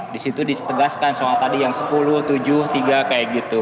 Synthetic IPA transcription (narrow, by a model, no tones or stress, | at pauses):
disit̪udisə̥t̪əɡaskansoŋat̪adijaŋsə̥pulʊht̪ud͡ʒʊht̪iɡakajaʔɡit̪u